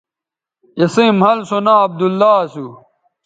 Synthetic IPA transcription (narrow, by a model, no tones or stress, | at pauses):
jɐsimhɐlsonaːɐb̚d̪ulːaːsu